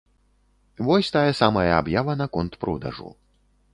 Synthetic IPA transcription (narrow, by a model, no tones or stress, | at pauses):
vɔsʲt̪ajɐsamɐjɐabjavɐnɐkɔnt̪pɾʔɔd̪ɐ̰ʐṵ